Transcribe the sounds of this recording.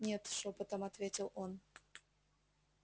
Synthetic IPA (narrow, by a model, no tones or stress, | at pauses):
nʲet̪ʃopot̪omat̪vʲetʲɪlˠʔon